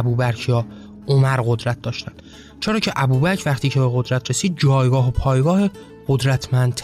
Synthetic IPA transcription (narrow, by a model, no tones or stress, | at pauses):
buːbæɾcʰjɒː | ʔomæɾɣo̞d̪ɾæt̪̚d̪ɒːʃt̪ænd̪̥ | t͡ʃʰeɾɒːcʰe̞ʔæbuːbæcʰvæχt̪iːcʰe̞beɣo̞d̪ɾæt̪ʰɾe̞siːd̪̚d͡ʒɒːjɡɒːɦopʰɒːjɡɒːhe | ɢ̥od̪ɾæt̪ʰmænd̪̚t̪ʰ